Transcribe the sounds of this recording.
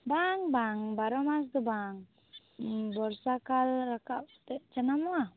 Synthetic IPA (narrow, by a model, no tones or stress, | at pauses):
baŋbaŋbaɾɔmas̬d̪ɔbaŋ | bɔɾsakalɾakat̪ɛt͡ʃanamɔa